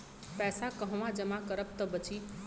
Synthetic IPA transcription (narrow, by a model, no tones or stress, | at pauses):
pɛːsakəɦə̃ʋãd͡ʒəmãkəɾəp̚t̪əbət͡ʃi